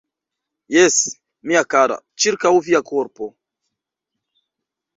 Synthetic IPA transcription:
jɛs | miakaɾa̰t͡ʃiɾkawviakoɾpo

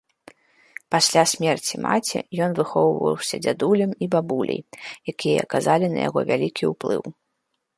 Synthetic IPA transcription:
pasʲlʲasʲmʲɛrt͡sʲima̰t͡sʲḭjɔnvɨxɔwvɐ̰wsʲɐd͡zʲad̪ulʲɐmibabulʲʔɐ̰jjakʲijɐ̰ɐkazalʲinɐ̰ja̰ɣɔvʲalʲikʲiuplˠɨ̰w

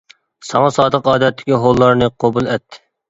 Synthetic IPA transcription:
sɑŋɑsɑːd̪əqɑːd̪ɛt̪ːɪ̥kʲiɦolˠːɑɾnɨqʰobulˠɛt̪ʰːɪ

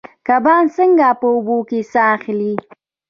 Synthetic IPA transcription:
kabɑnsəŋɡapəʊbokesaxli

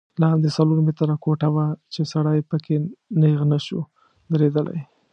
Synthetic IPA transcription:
lɑnd̪esaloɾmet̪ɾakoʈawat͡ʃesaɽajpəkeneɣnaʃu | d̪əɾed̪əla̰j

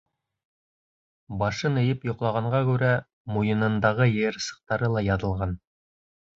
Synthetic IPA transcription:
bɑʃɤnɤ̆jɘpjŏqlˠɑʁɑɴɢɑkʉɾæ | mujɤ̆nɤ̆nd̪ɑʁɤjɘɾsɤ̥̆q̚t̪ɑɾɤlˠɑjɑðɤ̆lˠʁɑn

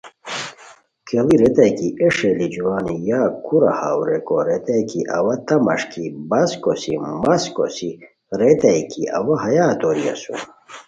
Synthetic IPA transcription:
kʰeliɾet̪ɐjkiʔeʂelid͡ʑuwaːnijaːkʰuɾɐ̰hawɾekoɾet̪ɐjkiʔɐwɐt̪ɐmɐ̰ʂkibɐskosimɐsko̰si | ɾet̪ɐjkiʔɐ̰wɐɦɐjaːt̪oːɾijɐ̰sṵn

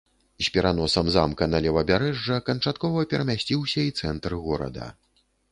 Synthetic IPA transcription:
sʲpʲɛɾanɔsɐmzamkɐnɐlʲɛvɐbʲaɾɛʐːɐkɐnt͡ʂat̪kɔvɐpʲɛɾɐmʲasʲt͡sʲiwsʲɐit̪sɛnt̪ɾɨɣɔɾɐ̰d̪ɐ̰

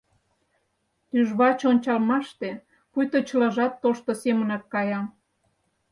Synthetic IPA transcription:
t̪yʒβɑt͡ɕonʲt͡ɕɑlmɑʃt̪e | pujt̪ot͡ɕəlɑʒɑt̪ːoʃt̪osemənɑk̪̚kɑjɑm

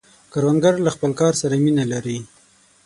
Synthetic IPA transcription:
kaɾwanɡaɾlaxpəlkɑɾsaɾaminalaɾi

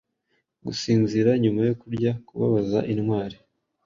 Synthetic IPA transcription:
ɡusiːnziɾaɲumajo̞kuɾɟakuβa̰βaza̰ʔinŋwaːɾi

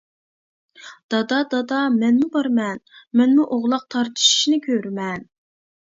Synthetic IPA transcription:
d̪̥ɑd̪ɑd̪ɑd̪ɑmɛnmubɑɾmɛnmɛnmuʔoʁlˠɑq̚t̪ʰɑɾt̪ʰɨ̥ʃi̥ʃnɨkʲʰøɾmɛn

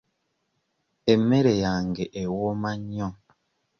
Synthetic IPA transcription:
emeɾejaŋɡeʔewomaɲɔŋ

